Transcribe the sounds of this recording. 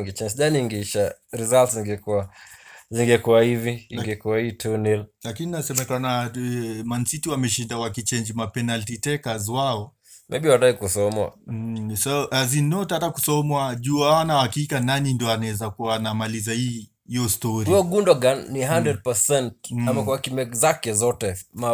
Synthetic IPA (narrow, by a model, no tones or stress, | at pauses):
ŋɡɛt͡ʃɛnd͡ʒʄaniiŋɡɛiʃaɾizaltsziŋɡɛkuaziŋɡɛkuwahiviiŋɡɛkuwahiːtʰunillakininasɛmɛkana | mansitiwamɛʃindawakit͡ʃɛnd͡ʒimapɛnaltitɛkazwaɔ | mɛɓiwataikusɔmwa̰saʔazinɔtatakusɔmwaʄuawanahakikananindiɔanaɛzakuanamalizahiː | iɔstɔɾiiɔɡundɔɡanːiɦandɾɛd̚pɛsɛnt̚amakuakimɛkzakɛzɔtɛma